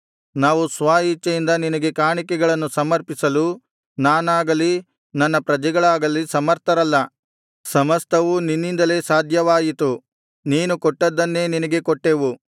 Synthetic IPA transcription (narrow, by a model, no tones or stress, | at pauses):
naːʋusʋaːjit͡ʃːɐjind̪ɐninɐɡe̞kaːɳikɛɡɐɭɐnːusɐmɐɾpisɐlu | naːnaːɡɐli | nɐnːɐpɾɐd͡ʒɛɡɐɭaːɡɐlisɐmɐɾt̪ɐɾɐlːɐ | sɐmɐst̪ʰɐʋuninːind̪ɐle̞ːsaːd̪ʱjɐʋaːjit̪u | niːnukɔʈːɐd̪ːɐnːe̞ːninɐɡe̞kɔʈːeʋu